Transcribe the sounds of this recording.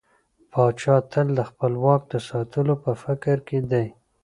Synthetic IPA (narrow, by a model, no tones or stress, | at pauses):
pɑt͡ʃɑt̪ʰəld̪əxpəlwɑk̚d̪əsɑt̪əlopəfɪkɾked̪aj